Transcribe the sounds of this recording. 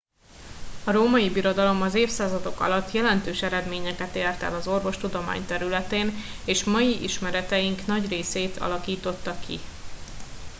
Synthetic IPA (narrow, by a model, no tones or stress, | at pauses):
ɒɾoːmɒjibiɾo̞d̪ɒlo̞mɒzeːfsaːzɒd̪o̞kɒ̰lɒt̪ːjɛlɛnt̪øːʃɛɾɛd̪meːɲɛkɛt̪eːrt̪ɛ̰lɒzo̞rvo̞ʃt̪ud̪o̞ma̰ːɲt̪ɛɾylɛt̪eːneːʃmɒjiʔiʃmɛɾɛt̪ɛjiŋknɒɟreːseːt̪ʰɒ̰lɒkiːt̪o̞t̪ːɒkʰḭ